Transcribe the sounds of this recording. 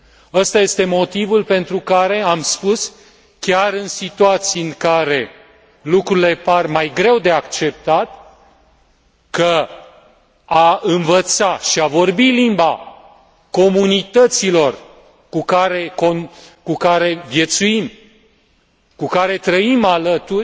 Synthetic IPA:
ast̪aje̞st̪e̞mo̞t̪ivulpe̞nt̪ɾukaɾe̞amspus | kʲaɾɨnsit̪uat̪sijɨŋkaɾe̞ | lukɾuile̞parmajɡɾe̞wd̪e̞akt͡ʃe̞p̚t̪at̪ | kə | aɨnvət̪saʃiavo̞rbilimba | ko̞munit̪ət̪silo̞r | kukaɾe̞konkukaɾe̞vje̞t̪suim | kukaɾe̞t̪ɾəimalət̪urʲ

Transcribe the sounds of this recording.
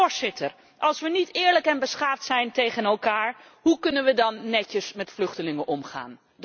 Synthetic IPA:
ɹzɪtər | ʔɑlˠsʋənitɪːɹləkɛnbəsχaːftsɛjntejχənɛlˠkaːɹ | ɦukɵnənʋədɑnːɛcəsmɛtflɵχtəlɪŋəʔɔmχa̰ːn

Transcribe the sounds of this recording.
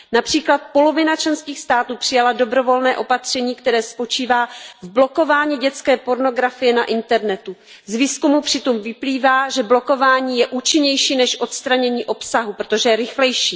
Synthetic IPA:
napr̥iːklat̪̚po̞lo̞vɪnat͡ʃlɛnskiːxst̪aːt̪uːpr̝̥ɪjalado̞bɾo̞vo̞lnɛːʔo̞pat̪r̝̥ɛɲiːkt̪ɛɾɛːspo̞t͡ʃiːvaːvblo̞ko̞vaːɲiːɟɛt͡skɛːpo̞ɾno̞ɡɾafɪjɛnaʔɪnt̪ɛɾnɛt̪u | zviːskumupr̥ɪt̪omvɪpliːvaːʒɛblo̞ko̞vaːɲiːjɛʔuːt͡ʃɪɲɛjʃiːnɛʃʔo̞t̪st̪ɾaɲɛɲiːʔo̞psaɦupɾot̪o̞ʒɛjɛɾɪxlɛjʃiː

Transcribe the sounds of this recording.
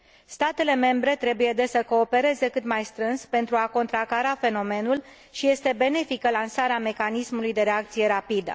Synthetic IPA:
st̪at̪e̞le̞me̞mbɾe̞t̪ɾe̞buje̞d̪e̞səko̞ːpe̞ɾe̞ze̞kɨt̪majst̪ɾɨnspe̞nt̪ɾuako̞nt̪ɾakaɾafe̞no̞me̞nul | ʃije̞st̪e̞be̞ne̞fikəlansaɾeame̞kanismulujd̪e̞ɾe̞ak̚t̪sije̞ɾapid̪ə̰

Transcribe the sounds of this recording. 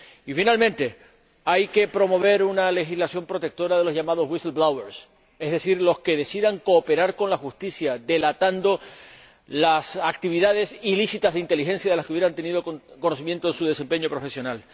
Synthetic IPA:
ifinalmẽnt̪e̞ | ajke̞pɾo̞mo̞βe̞ɾunale̞xizlasjo̞mpɾo̞t̪e̞k̚t̪o̞ɾaðe̞lo̞zʝamaðo̞zwiselblaweɾs | e̞zðe̞siɾlo̞ske̞ðe̞siðaŋko̞ːpe̞ɾaɾko̞nlaxust̪isjad̪e̞lat̪and̪o̞ | lasak̚t̪iβiðaðe̞silisit̪azðeint̪e̞lixe̞nsjaðelaskeuβjeɾant̪e̞niðoko̞no̞s̬imjent̪oensuð̞e̞se̞mpe̞ɲo̞pɾo̞fe̞sjo̞nal

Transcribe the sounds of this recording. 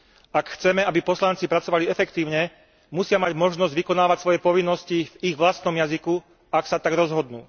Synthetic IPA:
akxt͡sɛmɛabipɔslant͡sipɾat͡sɔʋaliɛfɛkt̪iːʊɲɛ | musɪamaɟmɔʒnɔzɟʋikɔnaːʋacsʋɔjɛpɔʋinːɔsciviɣʋlast̪nɔmjaziku | aksat̪aɡɾɔzɦɔd̪nṵː

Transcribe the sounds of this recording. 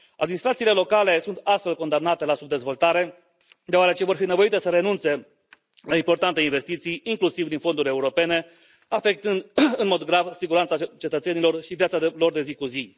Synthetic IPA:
a̰d̪minist̪ɾat̪siːle̞lo̞kale̞sunt̪ast̪fe̞lko̞nd̪amnat̪e̞lasubd̪e̞zvo̞lt̪aɾe̞ | d̪eoaɾe̞t͡ʃe̞vo̞rfine̞vo̞it̪e̞səɾe̞nunt̪se̞ | laimpo̞rt̪ant̪e̞inve̞st̪it̪sijiŋklusivd̪info̞nd̪uɾʲe̞uɾo̞pe̞ne̞ | afe̞k̚t̪ɨnd̪ɨnmo̞d̪ɡɾavsiɡuɾansat͡ʃe̞t̪ət̪se̞nilo̞rʃivjat̪salo̞rd̪e̞zikuzi

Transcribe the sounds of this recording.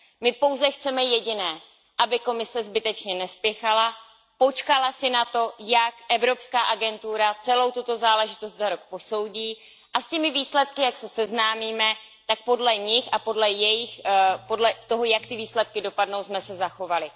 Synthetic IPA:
mɪpo̞wzɛxt͡sɛmɛjɛɟɪnɛː | ʔabɪko̞mɪsɛzbɪt̪ɛt͡ʃɲɛnɛspjɛxala | po̞t͡ʃkalasɪnat̪o̞jakʔɛvɾo̞pskaːʔaɡɛnt̪uɾat͡sɛlo̞wt̪ut̪o̞zaːlɛʒɪt̪o̞st̪zaɾok̚po̞so̞wɟiː | ʔascɛmɪviːslɛt̪kɪjaksɛsɛznaːmiːmɛ | t̪ak̚po̞dlɛɲɪxapo̞dlɛjɛjɪxpo̞dlɛt̪o̞ɦo̞jakt̪ɪviːslɛt̪̚kɪdo̞padno̞wsmɛsɛzaxo̞valɪ

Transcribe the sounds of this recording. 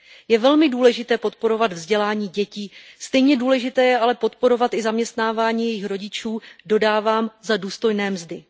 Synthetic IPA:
jɛvɛlmɪduːlɛʒɪt̪ɛːpo̞t̪po̞ɾo̞vad̪vzɟɛlaːɲiːɟɛciːst̪ɛjɲɛduːlɛʒɪt̪ɛːjɛʔalɛpo̞t̪po̞ɾo̞vat̪ɪzamɲɛst̪naːvaːɲiːjɛjɪxɾo̞ɟɪt͡ʃuːdo̞daːvaːmzaduːst̪o̞jnɛːmzdɪ

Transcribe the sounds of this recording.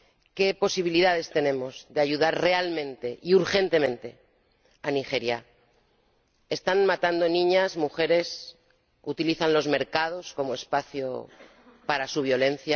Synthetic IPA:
ke̞po̞siβ̞iliðaðe̞st̪e̞nẽ̞mo̞zðeaʝuð̞aɾre̞almẽ̞nt̪e̞ʔiuɾxe̞nt̪e̞mẽ̞nt̪e̞ | anixe̞ɾja | est̪anmat̪and̪o̞nĩɲazmuxe̞ɾe̞s | ut̪iliθanlo̞zme̞ɾkað̞o̞sko̞moe̞spaθjo̰ | paɾasuβ̞jo̞le̞n̟θja

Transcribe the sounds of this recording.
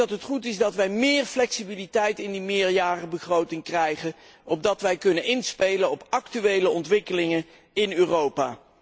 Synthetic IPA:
ɑtɦətχutɪzdɑtʋɛjmɪːɹflɛksibilitɛjtɪndimɪːɹjaːrəbəχrowtɪŋkrɛjχənɔb̚dɑtʋɛjkɵnənɪnspejlənɔpɑktyʋejləɔntʋɪkəlɪŋən | ɪnøːrowpaː

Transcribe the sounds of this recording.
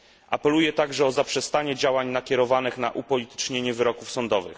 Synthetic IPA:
ʔapɛlujɛt̪aɡʐɛɔzapʂɛst̪aɲɛd͡ʑawaɲnakʲjɛɾɔvanɘxnaʔupɔlʲit̪ɘ̥t͡ʂɲɛɲɛvɘɾɔkufsɔnd̪ɔvɘ̰x

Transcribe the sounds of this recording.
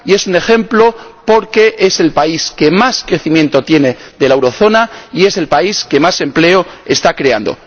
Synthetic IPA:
ie̞sune̞xe̞mplo̞po̞ɾke̞ʔe̞se̞lpaiske̞maskɾe̞θimjent̪o̞t̪je̞ne̞ðe̞laewɾo̞θo̞naie̞se̞lpaiske̞mase̞mple̞oe̞st̪akɾe̞a̰nd̪o̰

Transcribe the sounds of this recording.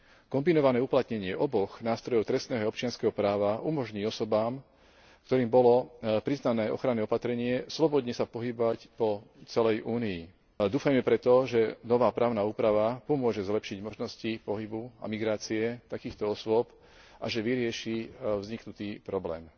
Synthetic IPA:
kɔmbinɔʋanɛːuplat̪ɲɛɲɪɛʔɔbɔɣnaːst̪ɾɔjɔʊt̪ɾɛst̪nɛːɦɔaɔp̚t͡ʃɪanskɛɦɔpɾaːʋaʔumɔʒɲiːɔsɔbaːm | kt̪ɔɾiːmbɔlɔpɾiznanɛːʔɔ̰xɾanɛːɔpat̪ɾɛɲɪɛslɔbɔd̪ɲɛsapɔɦibʋacpɔt͡sɛlɛjʔuːnii | d̪uːfajmɛpɾɛt̪ɔʒɛnɔʋaːpɾaːʊnauːpɾaʋapɔmʊɔʒɛzlɛpʃiɟmɔʒnɔscipɔɦibua̰miɡɾaːt͡siɛt̪akiːxt̪ɔɔsʊɔp | ʔaʒɛʋiɾɪɛʃivzɲiknut̪iːpɾɔblɛ̰ːm

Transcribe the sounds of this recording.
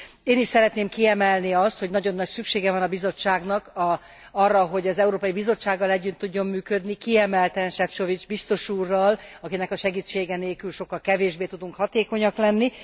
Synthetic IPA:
eːniʃsɛɾɛt̪neːmkiɛmɛlniɒst̪hoɟnɒɟo̞nːɒcsykʃeːɡɛvɒnɒbizo̞t͡ʃːaːɡnɒkɒ | ɒrːɒɦo̞ɟɒzɛuɾoːpɒjibizo̞t͡ʃːaːɡːɒlɛɟːynt̪ːuɟːo̞mːyːkø̞d̪nikiɛmɛlt̪ɛnʃɛfʃo̞vid͡ʒbist̪o̞ʃuːrːɒlɒkinɛkɒʃɛɡiːt͡ʃːeːɡɛneːlkylʃo̞kːɒlkɛveːʒbeːt̪ud̪uŋkhɒt̪eːko̞ɲɒklɛnːi

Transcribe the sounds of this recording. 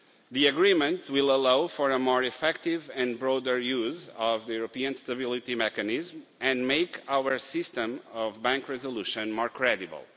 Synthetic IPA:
ðiɨɡɹimə̃nt̪wilˠəlawfɔɾəmɔɹifɛk̚t̪ivɛ̃nbɹɔd̪əɾjuzɔvðɨjuɾopiɨ̃nst̪ɐβilˠit̪imɛkɨnizmɨ̃nmeɪkawə˞sɪst̪ə̃mɔvbæ̃ŋkɹɛzolˠuʃə̃nmɔɹkʰɹɛdibə̰lˠ

